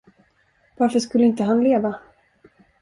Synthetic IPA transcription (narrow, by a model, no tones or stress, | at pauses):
vaɾfəʂkɵlːəɪnt̪əɦanleːva